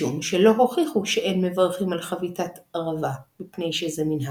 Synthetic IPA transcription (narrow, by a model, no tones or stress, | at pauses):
umʃelo̞ɦo̞χiχuʃeʔenme̞vaʁχimalχavitat̪aʁavamipne̞jʃezeminɦa